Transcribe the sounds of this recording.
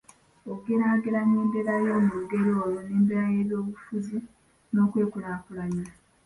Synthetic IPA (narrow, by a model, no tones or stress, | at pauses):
oɡenaːɡeɾanːeːmbeɾajo̞muuɡe̞ɾo̞ːjoneːmbeɾaje̞ːβjo̞ːβufuzi | no̞ːkwe̞ːkunaːkulaɲiɾa